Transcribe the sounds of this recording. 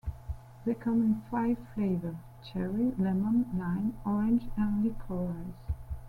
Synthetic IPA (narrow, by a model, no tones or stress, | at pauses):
ðekʰʌ̃mɪ̃nfaɪv̥fleɪvə˞ | t͡ʃʰɛɹilɛmə̃nlãɪ̃nɔɹɪ̃nd͡ʒə̃nlikʰɔɹaɪz̥